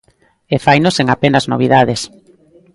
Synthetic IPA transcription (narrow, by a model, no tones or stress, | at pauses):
efajnoseŋapenazno̰β̞iðaðes